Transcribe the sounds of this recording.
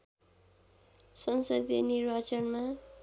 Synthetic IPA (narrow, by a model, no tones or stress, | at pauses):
sʌnsʌd̪enirbat͡sʌnma